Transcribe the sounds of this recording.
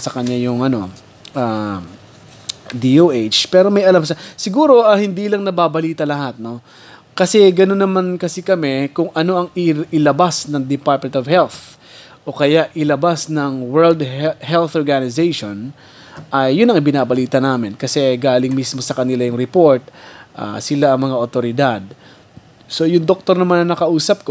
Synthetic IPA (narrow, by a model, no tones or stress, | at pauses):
sɐkɐɲajʊŋʔɐno̞̰ | ʔa | d̪iʔoʔet͡ʃpɛːɾo̞mɐjɐlamsɐsɪɡuːɾo̞ʔɐhɪnd̪iːlɐŋnɐbaːbɐliːt̪ɐlɐɦat̪̚no̞ | kɐsɛɡɐnonːɐmankɐsikɐmɛkʊŋɐno̞ʔɐŋɪʔɪlɐbasnɐŋd̪ɪpaɹt̪̚mɛ̃nt̪ovhɛlθ | ʔo̞kɐjaʔʔɪlɐbasnɐŋwɛɹld̪hɛlθoɹɡanɪzejʃon | ʔɐjːʊnɐŋʔɪbɪnaːbɐliːt̪ɐnaːmɪnkɐsɛɡaːlɪŋmismo̞sɐkɐnɪlajʊŋɾɛpo̞ɹt̪̚ʔa̰sɪlaɐŋmɐŋaʔot̪o̞ɾɪd̪ad̪̚ | so̞jʊŋd̪ok̚t̪o̞ɾnɐmanɐŋnɐkɐʔuːsɐp̚k